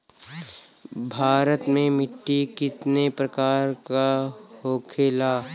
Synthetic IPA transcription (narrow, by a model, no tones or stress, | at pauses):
bʱaːɾət̪mẽmɪʈːikɪt̪nepɾəkaːɾkahoːkʰeːlaː